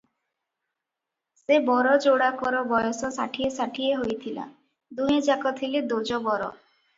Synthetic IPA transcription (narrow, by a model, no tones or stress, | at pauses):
sebɔɾɔd͡ʒoɽakɔɾɔbɔjɔsɔsa̰ʈʰiesaʈʰieɦojt̪ʰila̰ | d̪uɦẽd͡ʒakɔt̪ʰiled̪od͡ʒɔbɔɾɔ̰